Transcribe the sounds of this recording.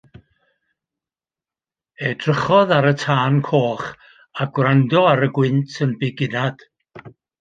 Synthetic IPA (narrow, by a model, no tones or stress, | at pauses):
edrəχɔðaɾətʰaːnkʰoːχ | aɡwrandɔaɾəɡwɪntʰənbɪɡɪnad̥